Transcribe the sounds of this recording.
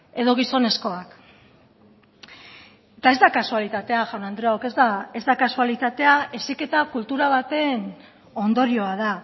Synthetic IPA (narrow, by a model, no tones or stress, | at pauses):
e̞ðo̞ɣ̞iso̞ne̞sko̞ak | et̪ae̞zd̪akasualit̪at̪e̞aʝawnand̪ɾeoke̞zd̪ae̞zd̪akasualit̪at̪e̞ae̞sike̞t̪akult̪uɾaβ̞at̪e̞n | o̞nd̪o̞ɾio̞að̞a